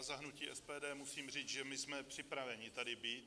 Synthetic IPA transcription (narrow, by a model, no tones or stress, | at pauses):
zaɦnuciːʔɛspɛːdɛːmusiːmriːt͡sʒɛmɪsmɛpr̥ɪpɾavɛɲɪt̪adɪbiːt̪̚